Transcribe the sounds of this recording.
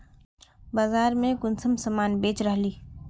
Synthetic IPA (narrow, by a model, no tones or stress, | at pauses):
baːzaːɾmẽɡʊnsəmsəmaːnbeːt͡ʃɾəɦliː